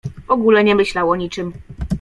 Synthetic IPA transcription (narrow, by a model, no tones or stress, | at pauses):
vɔɡulɛɲɛmɘɕlawɔɲit͡ʂɘm